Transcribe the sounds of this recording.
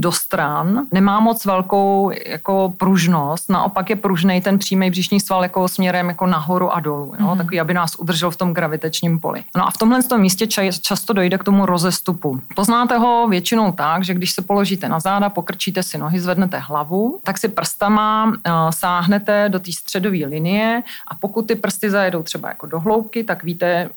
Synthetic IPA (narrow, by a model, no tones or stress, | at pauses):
do̞st̪ɾannɛmaːmo̞t͡svɛlko̞wja̰kopɾuʒnost̪na̰ʔo̞pakjɛpɾuʒnɛjt̪ɛnpr̝̥iːmɛjbrɪʃɲiːst̪valjakosmɲɛɾɛmjako̞naɦo̞ɾuʔadolujo̰t̪akoviːabɪnaːsʔud̪r̩ʒɛlft̪o̞mɡɾavɪt̪ɛt͡ʃɲiːmpo̞̰lʔɪ̰noʔa̰ft̪o̞mɦlɛnst̪omːiːscɛt͡ʃast̪odo̞jdɛkt̪o̞muɾo̞zɛst̪upupo̞znaːt̪ɛɦo̞vjɛt͡ʃɪno̞wt̪aɡʒɛɡdɪʃsɛpo̞lo̞ʒiːt̪ɛnazaːdapo̞kr̩t͡ʃiːt̪ɛsɪnoɦɪzvɛdnɛt̪ɛɦlavut̪aksɪpr̩st̪amasaːɦnɛt̪ɛdo̞t̪iːst̪r̥ɛdo̞viːlɪnɪjɛʔapo̞kut̪ːɪpr̩st̪ɪzajɛdo̞wt̪r̥ɛba̰ja̰ko̞do̞ɦlowp̚kɪt̪akviːt̪ɛ